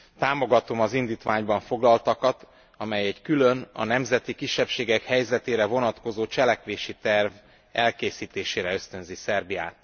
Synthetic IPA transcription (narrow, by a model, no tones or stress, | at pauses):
t̪aːmo̞ɡɒt̪o̞mɒzind̪iːt̪ʋaːɲbɒɱfo̞ɡlɒlt̪ɒkɒt̪ | ɒmɛjɛɟkylø̞nɒ̰nɛmzɛt̪ikiʃːɛpʃeːɡɛkhɛjzɛt̪eːɾɛvo̞nɒt̪ko̞zoːt͡ʃɛlɛkʋeːʃit̪ɛrv | ɛlkeːsiːt̪eːʃeːɾɛø̞st̪ø̞nzisɛrbija̰ːt̪